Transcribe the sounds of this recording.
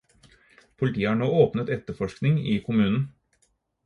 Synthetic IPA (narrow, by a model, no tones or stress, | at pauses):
pʰʊlɪt̪ʰiːəhɑːɳoːoːpnət̪ɛt̪ːəfɔʂknɪŋɪkʰʊmʉːnn̩